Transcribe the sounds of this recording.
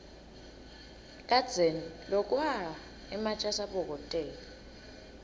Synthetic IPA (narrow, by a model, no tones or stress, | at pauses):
kʼad̥d͡z̥ʱenilɔkʼwa | ɛmat͡ʃʼasaɓɔk̬ʼɔtʼɛːlɔ